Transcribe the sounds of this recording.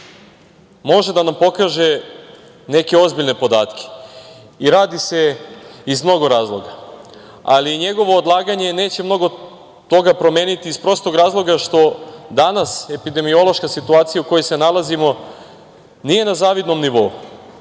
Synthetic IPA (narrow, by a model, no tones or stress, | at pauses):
mo̞ʒe̞d̪anampo̞kaːʒe̞ | ne̞ke̞o̞zbiʎne̞po̞d̪aːt̪kʰe̥ | iɾaːd̪ise̞izmno̞ɡo̞ɾaːzlˠo̞ɡa | a̰liɲe̞ɡo̞ʋo̞ːd̪lˠaːɡaɲe̞neːt͡ɕe̞mno̞ɡo̞ | t̪o̞ɡapɾo̞me̞ːnit̪iispɾo̞st̪o̞ɡɾaːzlˠo̞ɡaʃt̪o̞d̪anase̞pid̪e̞mio̞lˠo̞ʃkasit̪uaːt̪sijauko̞jese̞nalˠazimo̞ | nije̞nazaːʋid̪no̞mniʋo̞u